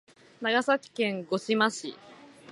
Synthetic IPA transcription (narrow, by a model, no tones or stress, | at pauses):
naɡasakʲi̥kẽ̞ŋɡo̞ɕimaɕḭ